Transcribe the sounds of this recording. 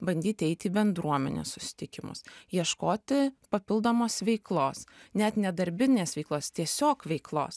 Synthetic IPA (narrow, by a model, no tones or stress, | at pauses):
bɐnʲd̪ʲiːt̪ʲɛɪt̪ʲiːbʲɛnd̪ɾuɔmʲɛ̰nʲḛssʊsʲɪ̥t̪ʲɪkʲɪmʊ̰sjiɛʃkoːt̪ʲɪpɐpʲɪlˠd̪oːmoːsʋʲɛɪklˠoːsnʲɛt̪nʲɛd̪ɐɾʲbʲɪnʲeːsʋʲɛɪklˠoːst̪ʲiɛsʲoːkʋʲɛɪklˠo̰ːs